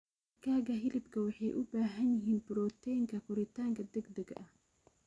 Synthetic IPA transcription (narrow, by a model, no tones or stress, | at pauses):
ɐkʰaːɣɐɦɪlɪbkʰɐwɑħɑjʔʊbaːɦɐnjɪɦiːnbɪɾɔːt̪ʰɛjŋkʰɐkʰʊɾɪt̪ʰaːŋkʰɐd̪ɛɡd̪ɐɡɐʔɐh